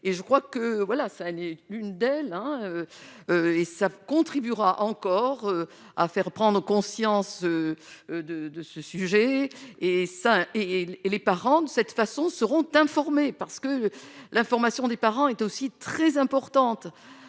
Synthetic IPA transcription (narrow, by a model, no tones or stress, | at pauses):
eʒəkχwakəvwalasanɛynd̪ɛlɛ̃øøesakɔ̃t̪χibyʁaʔɑ̃kɔʁø | a̰fɛʁpχɑ̃d̪ʁəkɔ̃sjɑ̃søød̪əd̪əsəsyʒɛesaelepaʁɑ̃d̪əsɛt̪fasɔ̃səʁɔ̃t̪ɛ̃fɔʁmepaʁsə̥kəlʔɛ̃fɔʁmasjɔ̃d̪epaʁɑ̃ɛt̪osit̪χɛzɛ̃pɔʁt̪ɑ̃t̪